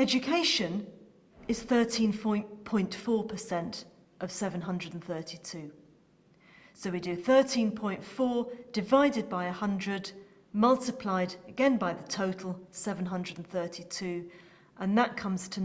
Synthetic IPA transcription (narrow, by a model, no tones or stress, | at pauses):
ɛd͡ʒɨkʰeɪʃə̃n | ɪz̥θɜˑtʰĩnfɔ̃ɪ̃npʰɔ̃ɪ̃ntfɔːpʰəsɛ̃nt | ʔəv̥sɛvə̃nɦʌ̃ndɹədn̩θɜˑtʰitʰʉː | soʊwidɨθɜˑ˞tʰĩnpʰɔ̃ɪ̃ntfɔːd̥ɨvaɪdɪd̚baɪəhʌ̃ndɹɨd | mʌlˠtɪpʰl̥aɪdəɡɛ̃nbaɪðətʰoʊtʰˡl̩ˠsɛvə̃nɦʌ̃ndɹədn̩θɜˑtʰitʰʉː | ʔə̃nðəʔ̚kʰʌ̃mz̥tʰə